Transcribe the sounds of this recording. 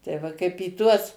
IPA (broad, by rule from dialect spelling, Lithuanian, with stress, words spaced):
tɐɪ ˈʋɐ kɐɪp iː ˈtuɔs